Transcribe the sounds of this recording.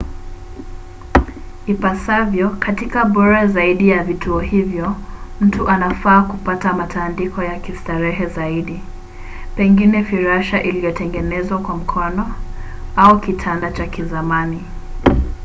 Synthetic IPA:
ipasavjɔkatikaɓɔɾazaiɗijavitʰuɔhivjɔm̩tuʔanafaːkupatamatʰandikɔjakistaɾɛɦɛzaiɗi | pɛŋɡinɛfiɾaʃaʔiliɔtɛŋɡɛnɛzwakwam̩kʰɔnɔ | aukitʰandat͡ʃakizamani

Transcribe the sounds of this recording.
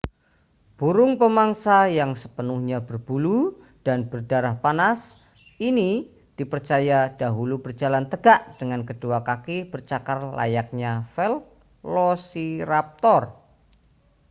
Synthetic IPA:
b̥uɾʊŋpəmaŋsajaŋsəpənuhɲabərb̥ulu | d̥anb̥ərdaɾahpanas | ini | d̥ipərt͡ʃajad̥aɦulubərd͡ʒalant̪əɡaʔd̥əŋankəd̥uakakib̥ərt͡ʃakarla̰jak̚ɲafɛl̚ | losiɾap̚t̪ɔr

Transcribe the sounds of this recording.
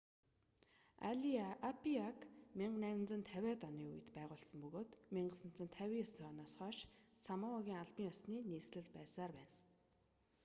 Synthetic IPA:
a̰ɮiapiakmiɴɢnæːw̆nt͡sɵ̆nt̪ʰæwʲæːt̪ɔniːṵj̆t̪pæːʁʊːɮsə̆mpɵɣoːt̪miɴɢə̆sə̆n̥t͡sɵ̆nt̪ʰæwʲiːsɔnɔːsχœʃsamaɔɣʲiːŋaɮpiːŋɔsniːniːsɮɘ̆ɮpæːsaːrpæːn

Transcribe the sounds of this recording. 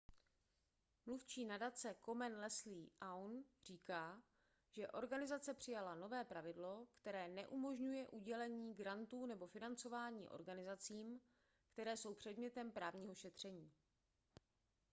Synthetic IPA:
mluft͡ʃiːnadat͡sɛko̞mɛnlɛsliːʔawnr̝iːkaː | ʒɛʔo̞ɾɡanɪzat͡sɛpr̥ɪjalano̞vɛːpɾavɪdlo̞kt̪ɛɾɛːnɛʔumo̞ʒɲujɛʔuɟɛlɛɲiːɡɾant̪uːnɛbo̞fɪnant͡so̞vaːɲḭːʔo̞̰ɾɡanɪzat͡siːm | kt̪ɛɾɛːso̞wpr̝̥ɛdmɲɛt̪ɛmpɾaːvɲiːɦo̞ʃɛt̪r̝̥ɛɲiː

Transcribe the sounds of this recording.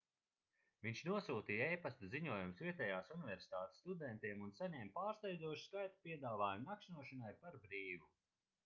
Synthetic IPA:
viɲʃnuɔsuːt̪iːejpast̪uziɲuɔjumsviɛt̪ɛjaːsunivʲɛɾsi̥t̪aːt̪e̥sːt̪ud̪ɛnt̪iɛmunsaɲɛmpaːɾst̪ɛjd̪zuɔʃu̥skajt̪u̥piɛd̪aːvaːjumnakʃnuɔʃanajpaɾbɾiːvu

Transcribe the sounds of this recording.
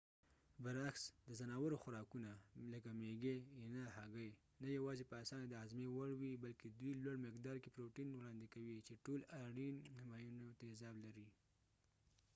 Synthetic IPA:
bəɾaxsd̪əzanɑwaɾoxʊɾɑkunaləkameɡenahaɡəj | najawɑzepəasɑnad̪əazmewaɽwibalked̪wilwaɽmɪkd̪ɑɾkepɾoʈinwɽɑnd̪ɪkawit͡ʃeʈolaɽinːɪmɑjunot̪aezɑblaɾi

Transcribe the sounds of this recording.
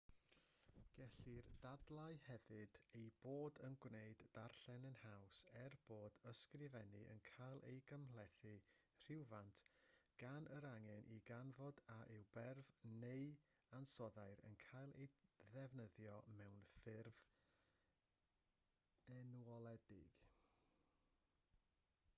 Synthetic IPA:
ɡ̥ɛɬird̥adlˠaɨhɛvɨdejb̥oːdənɡwneɨdːarɬɛnənhawsɛrb̥oːdəskrɪvɛnɨʔə̰nkʰajlˠḛjɡəmlˠɛθɨ | r̥ɪwvantʰɡ̥anəɾaŋɛnʔiɡanvɔdaʔɪwbɛrvneɨ | ansɔðaɨɾə̰nkʰajlˠḛjðɛvnəðjɔmɛwnfɪrv | ɛnuɔlˠɛdɪ̰ɡ̥

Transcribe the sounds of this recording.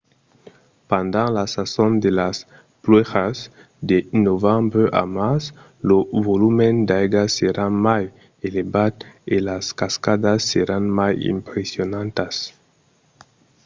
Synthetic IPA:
pand̪ãŋlasasond̪elas | plwexas | d̪enovambɾeʔa̰mas | loβolumend̪ajɡaseɾamaj | eleβad̪elaskaskad̪asːeɾanmajḭmpɾesjonãnt̪as

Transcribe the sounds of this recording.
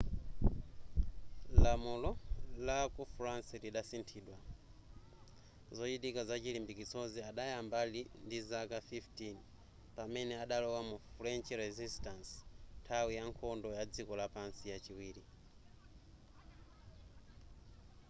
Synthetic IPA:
lamulɔlakufɾansiliɗasintʰiːɗwa | zɔt͡ʃitikazat͡ʃilimbikit͡sɔziaɗajambalindizakafiftin | pamɛnɛaɗalɔwamufɾɛnt͡ʃɾɛzistansntʰawijaŋkʰɔndɔjad͡zikɔlapansijat͡ʃiwiːɾi

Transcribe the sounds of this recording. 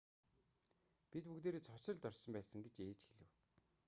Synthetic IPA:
pit̪̚pukt̪eːɾeːt͡sʰɔt͡ɕɪ̆ɮt̪œrsɞ̆mpæːsə̆ŋɡet͡ɕeːt͡ɕxeɮɘ̆w

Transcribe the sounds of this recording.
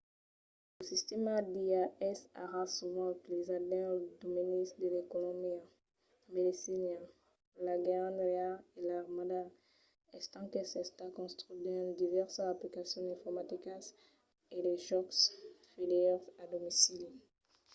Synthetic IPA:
ləsist̪ɛmad̪iaɛsa̰ʁãsuvɑ̃lezad̪ɛld̪uminisd̪əlekɔlɔ̃bjɛ̃ | med̪esinã | laɡãnʁealelaʁmad̪a | ɛst̪ɑ̃kesɛst̪akɔ̃st̪χyd̪ɛ̃d̪ivɛʁsaplikasjɔ̃ɛ̃fɔʁmat̪ikas | eleʒɔksfilɛʁad̪ɔmisil

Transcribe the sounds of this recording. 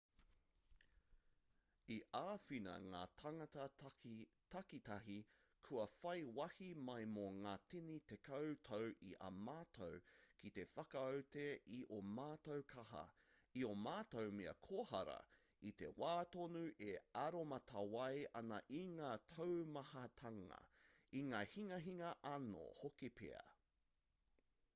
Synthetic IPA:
iʔaːfinɐ̰ŋa̰ːtʰaŋɐtɐ | tʰɐkit̪ɐɦikʰuɐfɐjwɐhimɐjmoŋaːt̪ʰinit̪ekʰɐwtʰowʔiʔɐ̰maːtʰowkʰit̪e̞fɐkɐowteʔiʔomaːt̪owkʰɐɦɐ̰iomaːtowmeɐ̰kʰoːhɐ̰ɾɐ̰ | it̪e̞̰waːtonuʔeɐɾomɐt̪ʰɐwɐjɐnɐʔiŋaːtʰowmɐhɐtʰɐŋɐ̰iŋaːhiŋɐɦiŋɐʔɐno̰hokipʰḛɐ̰

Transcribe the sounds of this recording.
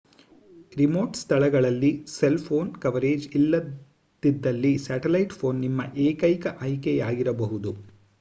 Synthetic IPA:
ɾimo̞ːʈst̪ʰɐɭɐɡɐɭɐlːiselpʰo̞ːnkɐʋɐɾeːd͡ʒilːɐ | d̪id̪ːɐlːisaːʈelɐjʈpʰo̞ːnːimːɐʔeːkɐjkɐʔɐjkɛjaːɡiɾɐbɐɦud̪u

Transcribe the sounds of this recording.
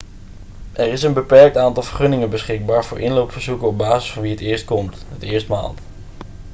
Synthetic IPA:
ʔɛɹɪsənbəpɛɹk̚taːntɑlˠvəɹχɵnɪŋənbəsχɪɡ̚baːɹvʊːɹʔɪnlowpfəɹzukənɔb̚baːzəsfoːɹʋiɦətɪːɹst̚kɔmtɦətɪːɹstma̰ːlˠt

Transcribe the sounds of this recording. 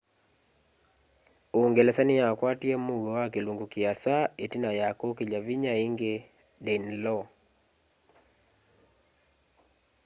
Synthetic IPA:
oŋɡelɛsanijakwatiɛmuwowakeluŋɡukiasaetinajakokeʎaviɲaiŋɡe | dɛnlɔ

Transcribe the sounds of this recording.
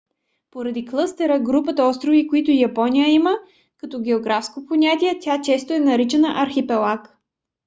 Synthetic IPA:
poɾɐd̪iklˠɤst̪ɛɾəɡɾupət̪əɔst̪ɾovikoit̪ʊijɐpɔnijəimə | kɐt̪ɔɡʲɛoɡɾafskoponʲat̪ʲiɛt̪ʲat͡ʃɛst̪oɛnɐɾit͡ʃɛnəʔɐɾxipɛlˠak

